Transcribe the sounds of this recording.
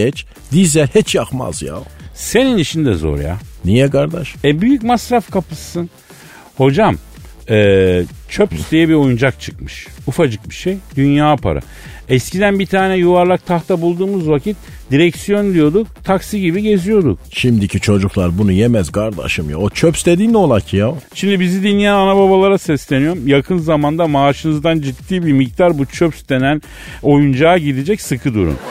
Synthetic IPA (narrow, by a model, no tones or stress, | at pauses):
ɛt͡ʃ | d̪izɛhɛt͡ʃjaxma̰zja̰ose̞ninit͡ʃʰind̪ɛzo̰ɾja̰nijɛɡaɾd̪aʃɛbyjycmasɾafkʰapɯsːɯn | ho̞d͡ʒam | ɛːt͡ʃʰøpy̥st̪ʰejɛbio̞jund͡ʒakt͡ʃʰɯkmɯʃufad͡ʒɯk̚biʃejd̪ynjaːpʰa̰ɾa̰ | ɛscid̪ænbit̪ʰaːnɛjuvaɾlˠak̚t̪ʰaxt̪ʰabulˠd̪uːmuzvacʰit̪̚ | d̪̥iɾɛcsijo̞nd̪ijo̞d̪uk̚t̪ʰaksiɟibiɟe̞zijo̞d̪ṵk̚ʃimd̪icʰit͡ʃʰo̞d͡ʒuklˠaɾbunujemæzɡaɾd̪a̰ʃɯmja̰ot͡ʃʰøpsd̪e̞d̪iːnd̪ɛolˠacʰijaoʃimd̪ibizid̪inijananabaβalˠaɾasɛslʲenijo̞ɾmjakʰɯnzamand̪amaːʃɯnɯzd̪and͡ʒit̪ːiːbimic̚t̪ʰaɾbut͡ʃʰøpsd̪e̞næn | o̞jund͡ʒaːɟid̪id͡ʒɛcsɯkʰɯd̪ṵɾṵn